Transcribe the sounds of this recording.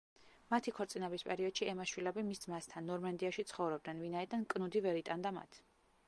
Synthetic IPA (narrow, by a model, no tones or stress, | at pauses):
mat̪ʰikʰɔɾt̪sʼinɛbispʼɛɾiɔd̪ʃiɛmaʃwilɛbimisd̪zmast̪ʰanːɔɾmand̪iaʃit̪sʰχɔvɾɔbd̪nɛnvinaid̪ankʼnud̪ivɛɾit̪ʼand̪ama̰t̪ʰ